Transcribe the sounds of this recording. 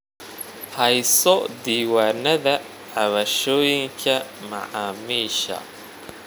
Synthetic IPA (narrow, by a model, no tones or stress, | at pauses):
hɛjsɔd̪iːwaːnɐðɐ | ʕɑβɐʃɔːjɪŋkʰɐmɐ̰ʕɑːmiːʃɐ̰